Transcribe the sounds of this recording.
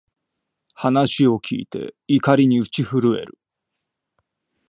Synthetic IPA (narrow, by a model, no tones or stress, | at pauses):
hanaɕio̞kʲʰḭːt̪e̞̰ikaɾʲiɲ̟iɯt͡ɕiɸɯ̟ɾɯ̟e̞̰ɾɯ̰